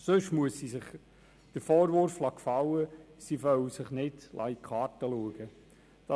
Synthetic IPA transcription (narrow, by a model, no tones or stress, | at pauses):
sɵʃmuəsːisɪχ | d̥əɾfɔːɾʋʊɾflɑkfɑwəsivœwsɪχnɪd̥lʔɑ̰ikʰχɑːɾtəluəɡ̥ə | d̥ɑ